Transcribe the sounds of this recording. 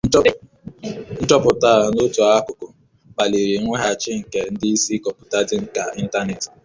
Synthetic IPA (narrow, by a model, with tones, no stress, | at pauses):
n̩˦t͡ʃɔ˦pʊ˨ta˦˨no˦tɔ˨a˦kʊ˨kʊ˨ | k͡pa˨li˨ɾe˨˦ŋʷe˦ɦa˨t͡ʃɪ˦ŋ̩˨ke˨n̩˦dɪ˦i˦si˦kɔ˨pʊ˨ta˦dɪ˦ŋ̩˦ka˨i˦n̩˦ta˦ne˨t